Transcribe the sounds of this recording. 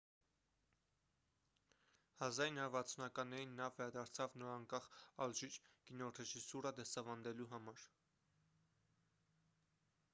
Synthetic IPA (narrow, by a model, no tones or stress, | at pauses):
hɑzɑjinɑɾvɑt͡sʰunɑkɑnːɛɾinːɑvɛɾɑd̪ɑɾt͡sʰɑvnɔɾɑŋkɑχɑlʒit͡ʃɡ̥inɔɾɛʒisuɾəd̪ɛsɑvɑnd̪ɛluɦɑmɑɾ